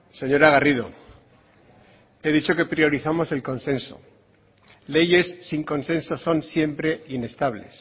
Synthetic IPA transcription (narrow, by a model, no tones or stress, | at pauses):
se̞ɲo̞ɾaɣ̞ariðo̞̰ | e̞ðit͡ʃo̞ke̞pɾio̞ɾiθamo̞se̞lko̞nsẽ̞nso̞̰ | le̞ʝe̞sːiŋko̞nsẽ̞nso̞so̞nsje̞mpɾe̞ine̞st̪aβle̞̰s